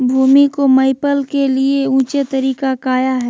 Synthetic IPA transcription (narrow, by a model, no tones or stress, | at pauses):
bʱuːmikomɐɪpəlkelieũːt͡ʃet̪ɐɾiːkakaːjaɦɛː